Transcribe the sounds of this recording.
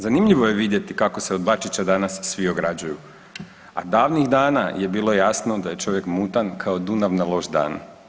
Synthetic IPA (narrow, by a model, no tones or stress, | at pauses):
zanimʎiʋoje̞ʋid̪je̞t̪ikako̞seod̪̚bat͡ʃit͡ɕad̪anasːʋio̞ɡɾad͡ʑuju | a̰d̪aːʋniɣd̪aːnaje̞biːlˠo̞jaːsnod̪aje̞t͡ʃo̞ʋje̞kmut̪ankʰao̞d̪unaʋnalˠo̞ʒd̪a̰ːn